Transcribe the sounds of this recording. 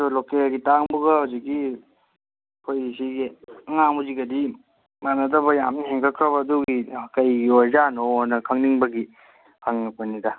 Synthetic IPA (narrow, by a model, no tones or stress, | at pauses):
ulokelɡitaŋbuɡɐawzik̚ːi | pʰojisiɡiɐŋamuziɡɐdi | manɐdɐbɐjamnɐheŋkʰakʰɾɐbɐːduɡikɐjɡiozanoɔnɐkʰaŋniŋbɐɡi | kʰaŋnikpɐnida